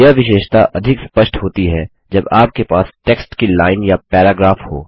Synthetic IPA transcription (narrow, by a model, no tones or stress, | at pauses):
aʋɪʃeːʃt̪aʔɐd̪ʱɪkspəʃʈʰɦoːt̪iɦɛ | d͡ʒɐbaːp̚kepaːsʈeːksʈkilaːɪnjapɛːɾaːɡɾaːfho̰ː